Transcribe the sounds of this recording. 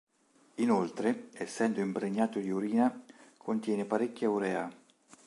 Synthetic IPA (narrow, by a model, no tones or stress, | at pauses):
inolt̪ɾeɛsːɛnd̪oimpɾeɲːaːt̪od̪iuɾiːnakʰont̪jɛːnepaɾekːauɾɛːa